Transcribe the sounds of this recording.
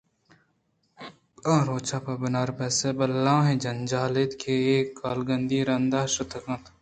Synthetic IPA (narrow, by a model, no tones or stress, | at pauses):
ɐ̃ːɾoːt͡ʃaːpɐbɪnaːɾpɛːsebɐlːãːɦẽd͡ʒɐnd͡ʒaːlet̪kʰeeːkːaːlɡɐnd̪iːɾɐnd̪aːʃʊt̪ʰɐkɐ̃t̪